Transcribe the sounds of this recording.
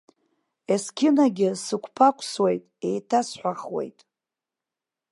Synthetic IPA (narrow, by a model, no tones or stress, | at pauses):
eskʲʰɪnaɡʲɪsɨkʷʰpʰakʷʰswejtʼe̞jtʰasħʷaχwe̞̰jtʼ